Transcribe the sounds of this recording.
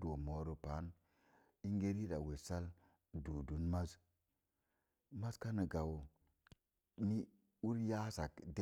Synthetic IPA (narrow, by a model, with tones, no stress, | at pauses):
do˨mo˨ɾo˨pa˨˦n | i˦ŋɡe˦ɾi˦da˨we˨sa˦l | du˨du˨˦nma˦s | ma˦ska˦nə˨ɡa˨w | ni˦ | u˦ɾja˦sa˨kde˦